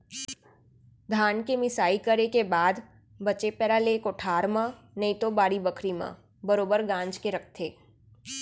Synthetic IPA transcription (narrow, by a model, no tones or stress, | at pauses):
d̪ʱaːnkemɪsaːikəɾekebaːd̪ | bət͡ʃepɛːɾalekoːʈʰaːɾmã | nəĩt̪obaːɽibəkʰɾimã̰ | bəɾoːbəɾɡãːnd͡ʒkeɾɐk̚ʰt̪ʰeː